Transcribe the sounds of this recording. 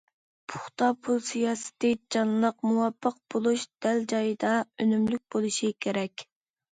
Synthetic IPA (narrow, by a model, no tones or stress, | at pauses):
pʰu̥χt̪ɑpʰulˠsijɑːsɪ̥t̪ɪd͡ʒɑnlˠəqmuwɑpʰːəq̚b̥olˠuʃd̪̥ɛld͡ʒɑjɨd̪ɑønymlyk̚ʲbolˠuʃikʲʰeɾɛkʲ